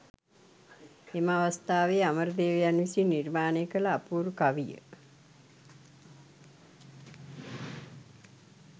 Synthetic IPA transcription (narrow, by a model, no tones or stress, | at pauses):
eməaʋəst̪aːʋeaməɾəd̪eːʋəjanʋisinirmaːnejəkələapuːɾukaʋijə̰